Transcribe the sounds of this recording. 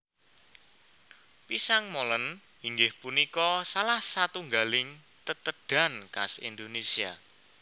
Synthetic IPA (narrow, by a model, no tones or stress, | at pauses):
pisaŋmolən | iŋɡɪhpunikɔsalahsat̪uŋɡalɪŋ | t̪ət̪əɖ̥a̤nka̰sḭnd̪onesia